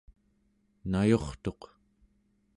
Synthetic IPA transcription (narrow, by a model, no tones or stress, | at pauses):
najo̞χt̪o̞q